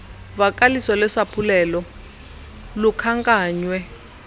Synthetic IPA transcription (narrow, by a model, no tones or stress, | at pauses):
vakʼalisɔlɛʂapʰulɛlɔ | lukʰaŋkʼaːɲwɛ